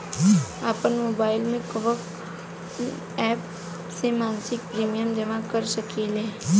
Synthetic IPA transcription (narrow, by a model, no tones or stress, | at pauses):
aːpənmoːbaːɪlmẽkəʋək | ɛːp | semaːnsɪk̚pɾiːmijəmd͡ʒɐʋãkəɾsəkileː